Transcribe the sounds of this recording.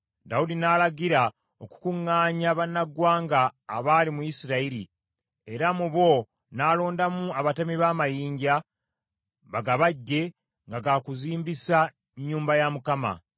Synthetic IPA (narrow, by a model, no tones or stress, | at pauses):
daudinaːlaɡiɾa | oku̥kuŋːaːɲaβanːaɡwaːŋɡaːβaːlimuisiɾaiɾi | e̞ɾamuβo̞ | naːlo̞ːndamuaβatamiβaːmajiːɲɟa | βaɡaβaɟːe̞ | ŋɡaɡakuziːmbisa | ɲːuːmbajamukama̰